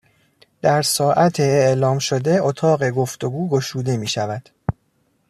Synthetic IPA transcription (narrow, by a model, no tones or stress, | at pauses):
d̪̥æɾsɒːʔæt̪ʰeːʔlɒːmʃod̪e̞ot̪ʰɒːɢe̞ɡo̞ft̪o̞ɡuːɡo̞ʃuːd̪e̞miːʃævæd̪̥